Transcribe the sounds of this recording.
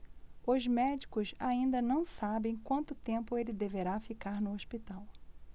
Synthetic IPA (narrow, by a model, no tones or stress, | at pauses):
ʊzmɛd͡ʒikʊzaĩnd̪ɐnɐ̃w̃sabẽj̃kwɐ̃nt̪ʊt̪ẽmpʊelɪd̪eveɾafikaɾnʊoʃpit̪aw